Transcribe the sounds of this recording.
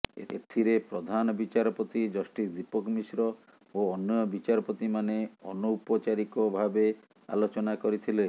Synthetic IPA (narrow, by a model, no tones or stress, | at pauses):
ḛt̪ʰiɾepɾɔd̪ʱanɔbit͡ʃaɾɔpot̪id͡ʒɔsʈisd̪ipɔkɔmisɾɔ | oɔnːɔjɔbit͡ʃaɾɔpot̪imaneɔnuupɔt͡ʃaɾikɔbʱabe | a̰lot͡ʃɔnakɔɾit̪ʰile